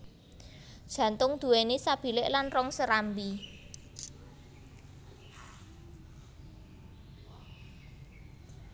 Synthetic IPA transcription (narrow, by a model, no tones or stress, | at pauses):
d̥ʒ̥ä̤nt̪ʊŋd̪̥ṳwenesab̥i̤lɪʔlanrɔŋsəɾambi